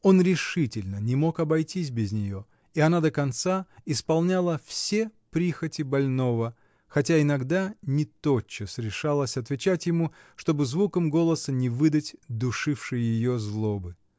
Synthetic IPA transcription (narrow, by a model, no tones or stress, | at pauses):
o̞nɾʲɪʂɨtʲɪlʲnənʲɪmo̞kɐbɐjtʲis̬ʲbʲɪzʲnʲɪjo̞ | iɐnad̪əkɐnt̪saɪspɐlˠnʲalˠəfsʲepɾʲixətʲɪbɐlʲno̞və | xɐtʲaɪnɐɡd̪anʲɪt̪o̞t͡ɕːɪsɾʲɪʂalˠəsʲɐt̪vʲɪt͡ɕatʲjɪmu | ʂt̪o̞bɨzvukəmɡo̞lˠəsənʲɪvɨd̪ətʲd̪ʊʂɨfʂɨjɪjɪjo̞zlˠo̞bɨ